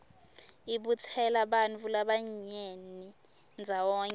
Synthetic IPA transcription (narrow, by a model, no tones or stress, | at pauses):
iɓut͡sʰɛlaɓanvulaɓaɲeni | nd͡zʱawɔːɲ